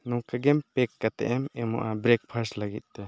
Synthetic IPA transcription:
nuŋkaɡɛmpɛkːat̪ɛ̰ʔɛmɛmṵʔabɾɛk̚pʰəɾslaɡit̪̚ˀt̪ɛ

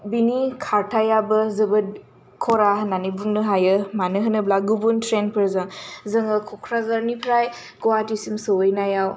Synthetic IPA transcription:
binikʰaɾtʰajabɯzɯbɯt̚ | kʰɔɾananibuŋnɯɦajɯmanɯɦɯnɯblaɡubuntʰɾenpʰɯɾzɯŋzɯŋɯkʰɔkʰɾazaɾnipʰɾaj | ɡɔwatisimsɯwɯjnajaw

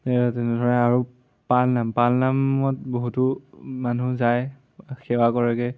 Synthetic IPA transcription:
ɛɹtɛnɛdʱɔɹɛaɹu | palnampalnamɔt̚boɦutʊmanuzaj | xɛwakɔɹɛkɛ

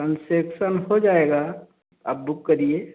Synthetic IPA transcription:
ənseːkʃənɦod͡ʒaːeːɡa | ɐ̰b̚bʊkːɐɾie

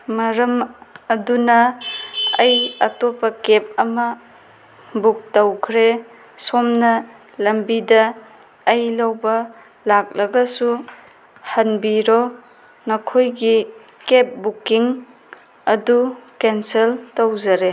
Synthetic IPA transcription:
mɐɾɐmɐdunɐ | ɐjɐtopːɐkep̚ɐmɐ | buk̚tɐwkʰɾe | somnɐ | lɐmbidɐː | jlɐwbɐ | lak̚lɐɡɐsu | hɐnbiɾo | nɐkʰojɡi | kep̚bukiŋ | ɐdukenseltɐwzɐɾe

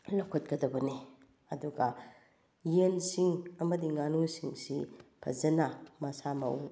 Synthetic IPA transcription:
lokʰot̚kɐdɐbɐne | ɐduɡɐ | jensiŋɐmɐdiŋanusiŋsipʰɐ̰zɐnamɐsama̰wu

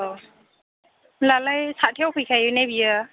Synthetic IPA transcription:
lalajsʰatʰijawpʰɯjkʰajɯnajbija

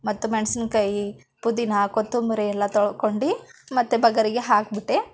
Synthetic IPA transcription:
mɐt̪ːumeɳsinkɐji | pud̪inɐkot̪ːumuɾejɛlːɐt̪ɔɭkoɳɖimɐt̪ːubɐɡɐɾiɡeɦaːk̚biʈːe

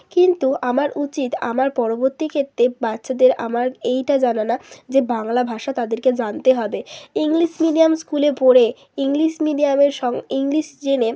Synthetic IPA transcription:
kint̪uamaɾʔut͡ɕit̪a̰maɾpɔɾoboɾt̪ikʰet̪ːɾebatːʃʰad̪eɾa̰maɾejʈad͡ʑananad͡ʑebaŋlabʱaʃat̪ad̪eɾked͡ʑant̪eɦɔbeiŋliʃmiɖijamskulepoɽe | iŋliʃmiɖiameɾʃɔŋiŋliʃd͡ʑene

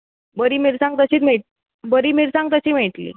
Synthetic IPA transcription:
bəɾiːmiɾsãŋɡ̚t̪əɕiːt̪̬meʈ̚ | bəɾiːmiɾsãŋɡ̚t̪əɕiːm̤eʈlḭː

